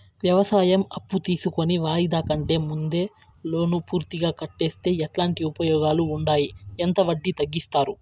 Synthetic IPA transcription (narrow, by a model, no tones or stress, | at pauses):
ʋjɐʋɐsaːjɐmɐpːut̪iːsuko̞niʋaːjid̪aːkɐɳʈe̞ːmund̪e̞ː | lo̞ːnupuːɾt̪iɡaːkɐʈːe̞ːst̪e̞ːɛʈlaːɳʈiupɐjɔːɡaːluːɳɖaːjient̪ɐʋɐɖːit̪ɐɡːist̪aːɾu